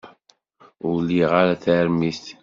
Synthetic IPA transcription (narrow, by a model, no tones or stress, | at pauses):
ʊlːiʁaɾaθaɾmist̪